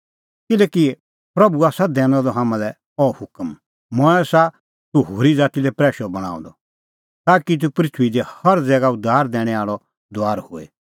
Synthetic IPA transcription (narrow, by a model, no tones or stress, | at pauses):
kɪlɛːki | pɾɐbuasad̪ɛ̃ːñɔ̃d̪ɔɦãːmãlɛ | ɔːhʊkəm | mɔ̃ɛsa | t̪uɦoːɾid͡zaːt̪ilɛpɾɛːʃɔbɐɽ̃a̰ːṵ̃d̪ɔ | t̪aːkit̪̬upɾɪt͡ʃʰuid̪ɛhɐɾd͡zɛːɡaʊd̪ʱːaːɾd̪ɛ̃ːɽ̃ɛ̃aːɭɔ | d̪oaːɾhʊḛ